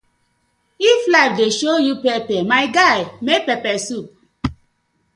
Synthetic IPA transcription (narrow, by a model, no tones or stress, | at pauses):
iflaɪfdeʃojupɛpɛmaɪɡaɪmek̚pɛpɛsup̚